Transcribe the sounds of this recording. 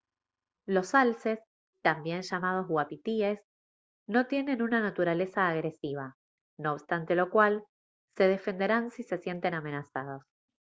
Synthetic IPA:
lo̞salses | t̪ambjenʃamað̞o̞zɣwapit̪ies | no̞t̪je̞ne̞nunanat̪uɾale̞saːɣɾe̞siβ̞a | no̞ːβst̪ant̪e̞lo̞kwal | se̞ð̞e̞fe̞nd̪e̞ɾansise̞sje̞nt̪e̞namenasað̞o̞s

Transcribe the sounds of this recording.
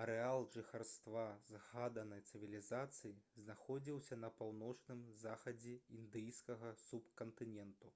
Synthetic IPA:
ɐɾɛalˠʐɨxarst̪vazɣad̪ɐnɐjt̪sɨvʲilʲizat̪sɨjiznaxɔd͡zʲiwsʲɐnɐpawnɔt͡ʂnɨmzaxɐd͡zʲɛind̪ɨjskɐɣɐsupkɐnt̪ɨnʲɛnt̪u

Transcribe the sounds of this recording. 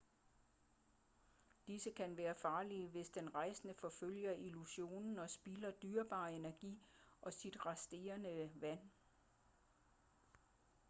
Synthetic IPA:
d̥isəkʰænʋæːɐfɑ̈ːliəʋe̝sd̥enʁɑ̈ɪsənəfɒ̽føl̰jɐʔiluɕo̝̰ːnn̩ɒ̽sb̥ilɐd̥yːɐb̥ɑ̰̈ːe̝næɐɡ̥ḭːʔɒ̽sid̥ʁɑsd̥e̝̰ːɐnəʋæn̰

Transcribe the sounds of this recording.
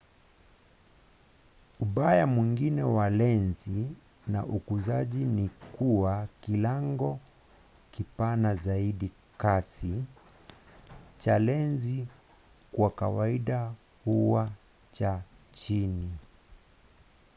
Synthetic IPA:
uɓajamwiŋɡinɛwalɛnzi | na̰ʔukuzaʄinikuwakilaŋɡɔ | kipanazaiɗi | kasi | t͡ʃalɛnzi | kwakawaiɗa | huwa | t͡ʃat͡ʃini

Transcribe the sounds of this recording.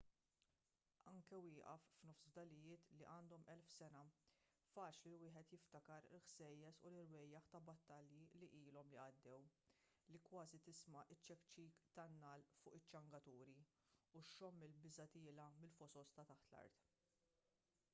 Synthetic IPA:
ɐŋkɛwɪːʔɐ̰fːnɔfsd̪ɐlɪjɪːt̪liʔɐːnd̪ɔmɛlfsɛnɐ | fɐːt͡ʃlilwɪːħɛt̪jɪft̪ɐkɐɾɪ̰lħsɛjːɛsṵlɪɾwɛjːɐħt̪ɐbɐt̪ːɐljiliʔiːlɔmliɐd̪ːɛw | likwɐːzit̪ɪsmɐʔɪt͡ʃːɛkt͡ʃiːkt̪ɐnːɐːlfʊːʔɪt͡ʃːɐŋɡɐt̪uːɾi | uʃːɔmːɪlbɪzɐt̪ɪːlɐmɪlfɔsɔst̪ɐt̪ɐħt̪lɐ̰ɾt̪

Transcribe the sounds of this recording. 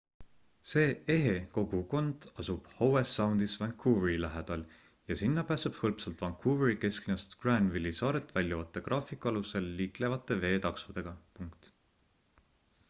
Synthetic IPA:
se̞ːe̞ɦe̞ko̞ɡ̥uko̞nd̪̥ɑsub̥howesːɑwnd̪̥isvæŋkʰːuveɾilæɦed̪̥ɑl | jɑsinːɑpæːseb̥hɤlpsɑlt̪vɑŋkːuːveɾike̞sklinɑst̪ɡ̥rænd̪vilːisɑːɾe̞lt̪vælʲjɑot̪ːˑekrʔɑːfˑikˑuɑluse̞lːiːkle̞vɑt̪ˑːe̞ve̞ːt̪ɑksvud̪̥e̞ɡ̥ɑpuŋkt̪

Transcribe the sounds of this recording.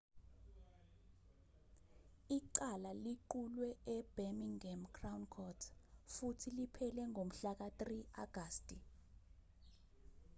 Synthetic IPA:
iǃalaliǃulwɛɛb̥emiŋɛmkrawnkʰɔtʰfutʰilipʰɛlɛŋom̩ɬak̬atria̰ɡ̥ʱaːstʼi

